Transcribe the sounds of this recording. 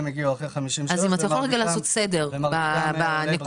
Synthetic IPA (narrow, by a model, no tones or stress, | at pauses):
meɡiuaχeχamiʃiazimat̪ajaχo̞lʁeɡalaːso̞t̪se̞de̞ʁbabanek